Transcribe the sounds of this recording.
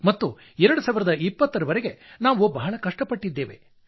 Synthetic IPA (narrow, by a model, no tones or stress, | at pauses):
mɐt̪ːu | ɛɾɐɽusaːʋiɾɐd̪ɐipːɐt̪ːɐɾɐʋɐɾeɡe̞naːʋubɐɦɐɭɐkɐʂʈɐpɐʈːid̪ːe̞ːʋe̞̰